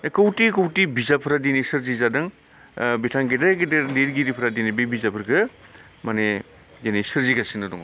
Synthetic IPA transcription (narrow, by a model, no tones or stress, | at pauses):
ekowtikowtibizapʰɯɾadinisɯɾzizadɯŋ | bitʰaŋɡedaɡededeɾɡiɾipʰɾadinibebizapʰɯɾɡɯ | mane | denisɯɾziɡasiŋnɯdɔ̰ŋ